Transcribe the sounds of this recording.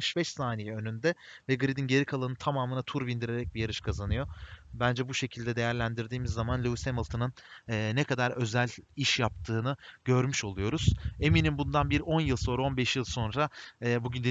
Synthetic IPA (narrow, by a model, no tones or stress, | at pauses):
ʃbɛʃsaːnijɛø̞nynd̪ɛvɛɡɯɾid̪inɟe̞ɾikʰalˠanɯt̪ʰamaːmɯnat̪ʰuɾbind̪iɾe̞ɾɛc̚bijaɾɯʃkʰazanɯjo̞bænd͡ʒɛbuʃe̞cʰilʲd̪ɛd̪e̞jæɾlʲænd̪iɾd̪iːmizːamanlʲuusemɯlˠt̪ʰɯnɯnːnekʰad̪aɾø̞zælʲiʃjap̚t̪ʰɯːnɯɟ̥øɾmyʃo̞lˠujo̞ɾuz̥e̞minimbund̪anbiɾo̞njɯlˠso̞ːɾao̞nbɛʃjɯlˠso̞nɾaːbuɟynd̪e